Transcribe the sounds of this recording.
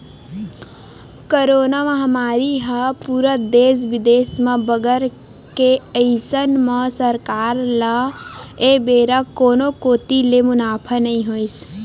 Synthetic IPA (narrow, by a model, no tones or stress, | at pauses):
koɾoːnamə̃ɦəmaːɾiɦəpuːɾəd̪eːs̬bɪd̪eːsmẽbəɡəɾ | keəɪsənməsəɾkaːɾlə | ebeːɾəkoːnokoːt̪ilemʊnaːpʰənəĩɦois